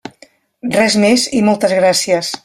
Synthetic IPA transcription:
rɛzmezimɔlˠt̪əzɣɾasiəs

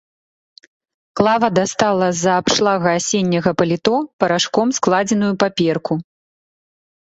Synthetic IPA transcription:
klˠavɐd̪ast̪alˠɐzɐːpʂlˠaɣɐːsʲenʲːɐɣɐpɐlʲit̪ɔpɐɾaʂkɔmsklˠad͡zʲɛnujupapʲɛrku

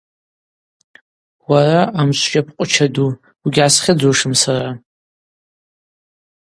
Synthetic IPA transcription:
waraʔamʃʷʒʲʼapʰqʷʼʊt͡ʃʰadu | uɡʲʕasχʲɪd͡zoʂɨmsara

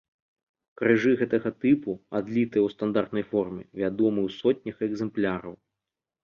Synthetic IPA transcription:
kɾɨʐɨɣɛt̪ɐɣɐt̪ɨpuad̪lʲit̪ɨjɛwst̪and̪art̪nɐjfɔrmʲɛ̰vʲad̪ɔmɨwsɔt̪̚ʲnʲɐxɛɡzɛmplʲaɾɐ̰w

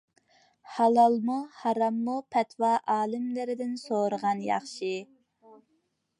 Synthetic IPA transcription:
hɑlˠɑlˠmuhɑɾɑmːupʰɛt̪wɑʔɑːlɪmlɪɾɪd̪ɪnsoɾəʁɑnjɑ̰χʃɨ

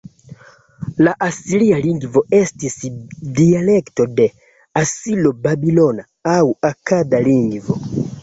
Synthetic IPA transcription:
laʔasilialiŋɡvo̞e̞stisdiale̞kto̞de̞ | asilo̞babilo̞na | awakadaliŋɡvo̞

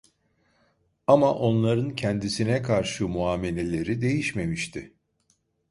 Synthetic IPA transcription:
amaʔo̞nlˠaɾɯncʰɛnd̪isinɛkʰaɾʃɯmuaːme̞lʲe̞lʲe̞ɾid̪e̞jiʃme̞miʃt̪ʰɪ

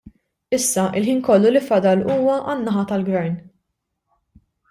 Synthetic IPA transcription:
ɪsːɐʔɪlħiːnkɔlːulifɐd̪ɐluːwɐʔɐnːɐħɐt̪ɐlɡvɛɾn

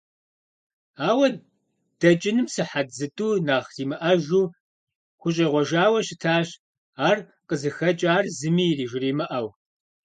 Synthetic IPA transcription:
aːwɐ | d̥ɐt͡ʃʼɪnɨmsɨħad͡zɨtʼuːnaːχziːmɨʔɐʒuː | χʷʊɕ̬ʼiʁʷɔʒaːwɐɕɪtʰaːɕ | aːr | qʼəzɨxɐt͡ʃʼaːrzɨmiːriːʒɪriːmɨʔɐw

